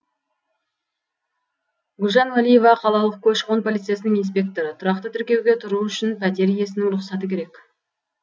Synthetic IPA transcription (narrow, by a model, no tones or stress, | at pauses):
ɡʊlʒɑnwalije̞vɑqʰɑlˠɑlˠəq̚kʲʰɵʃo̞npʰo̞lˠit̪sɨjasənəŋins̬pʲe̞k̚t̪o̞ɾət̪ʰʊɾɑq̚t̪ət̪ʰʏɾkʲe̞wɡʲe̞t̪ʰʊɾuʏʃɪnpʰæt̪̬e̞ɾije̞sɪnɪŋɾʊqsɑt̪əkʲe̞ɾe̞k